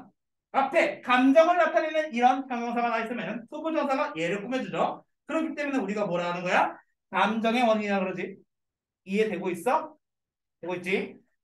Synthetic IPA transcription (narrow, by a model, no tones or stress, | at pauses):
apʰe̞kamd͡ʑʌŋɯɭatʰaʎinɯniɾʌnpʰjʌŋjʌŋsʰaɡanais͈ɯmjʌnɯntʰobud͡ʑʌŋs̬ʰaɡaje̞ɾɯɭk͈umʌd͡ʑud͡ʑʌ | kɯɾʌkʰit͈e̞mune̞uɾiɡamoɾaːnɯnɡʌja | kamd͡ʑʌŋe̞wʌɲiiɲaɡɯɾʌd͡ʑi | ie̞dwe̞ɡois͈ʌ | teɡoit̚t͡ɕ͈i